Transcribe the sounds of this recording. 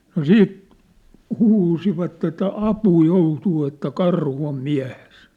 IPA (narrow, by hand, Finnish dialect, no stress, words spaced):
no siːt huːsiʋɑt etːæ ɑpuː joutuː etːæ kɑrhu om miæ̝hes